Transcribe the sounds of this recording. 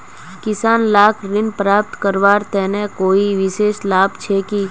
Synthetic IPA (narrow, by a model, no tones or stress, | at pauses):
kɪsaːnlaːkʰɾɪnpɾaːp̚t̪kəɾʋaːɾt̪ɛːnekoːiʋɪʃeːʃlaːbt͡ʃʰekiː